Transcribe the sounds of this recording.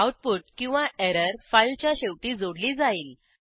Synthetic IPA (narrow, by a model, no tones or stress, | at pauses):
awʈ̚puːʈ̚kĩw̃ʋãɛɾəɾfajlt͡ɕjaɕewʈid͡zoɽlid͡zaiːn